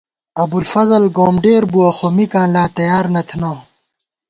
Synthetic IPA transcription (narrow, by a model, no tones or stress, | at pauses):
ɐbulfɐzɐlɡoːmɖeːɾbuɐxomikãːnlaːt̪ɐjaːɾnɐt̪ʰnɐ